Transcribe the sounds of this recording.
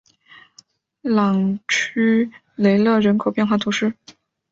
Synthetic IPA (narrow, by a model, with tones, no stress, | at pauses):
lɑ˨˩ŋt͡ɕʰy˥ | le˧˥ɪlɤ˥˩ɻə˧˥nkʰo˨˩ʊpjɛ˥˧nxwa˥˩t̪ʰu˧˥ʂɻ̩˥˩